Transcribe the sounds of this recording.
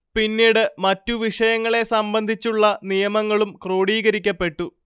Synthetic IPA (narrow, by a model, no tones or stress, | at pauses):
pinːiːɽɨmɐtːuʋiʂɐjɐŋːɐɭe̞sɐmbɐnd̪ʱit͡ɕːuɭːɐnijɐmɐŋːɐɭumkro̞ːɽiːɣɐɾikʲːɐpːe̞ʈːu